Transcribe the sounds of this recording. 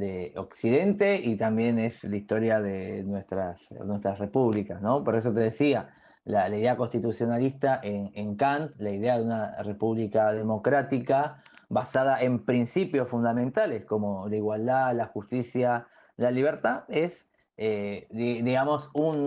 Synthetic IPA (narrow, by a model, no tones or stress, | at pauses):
d̪eo̞ksiðe̞nt̪e̞it̪ambje̞ne̞slaist̪o̞ɾjaðenwest̪ɾasnwe̞st̪ɾasre̞puβlikasno̞po̞ɾes̬o̞t̪e̞ð̞esia | lalaiðeako̞nst̪it̪usjo̞nalist̪aʔeneŋkant̪laiðeaðeunare̞puβlikaðe̞mo̞kɾat̪ikaβasað̞aʔempɾinsipjo̞sfund̪amẽ̞nt̪alesko̞mo̞laiɣwald̪alaxust̪isja | laliβ̞eɾt̪aes | ed̪iɣamo̞sun